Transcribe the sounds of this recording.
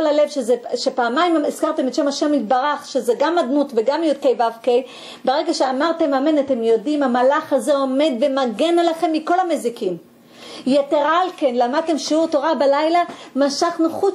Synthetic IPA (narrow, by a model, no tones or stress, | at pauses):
olale̞vʃezeʃepaːmajmizkaʁt̪e̞met̪ʃe̞maʃe̞mit̪̚baʁaχʃezeɡamːad̪nutveɡamjud̪̚kejvavkej | beʁeɡaʃeamaʁt̪e̞mame̞nat̪e̞mjo̞dimamalaχazeo̞me̞d̪ve̞maɡe̞nalaχe̞mːiko̞lamezikim | jet̪eʁalke̞nlamad̪̚t̪e̞mʃiuʁto̞ʁabalajlamaʃaχnuχu